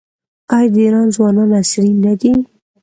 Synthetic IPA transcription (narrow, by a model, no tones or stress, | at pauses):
ɑjd̪əiɾɑnzwɑnɑnasɾinad̪i